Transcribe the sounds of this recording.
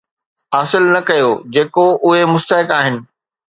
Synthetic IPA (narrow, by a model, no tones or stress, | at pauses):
aːsɪlnɐkɐjod͡ʑeːkoʊɦemʊst̪əɦɪkaːɦɪnɪ̆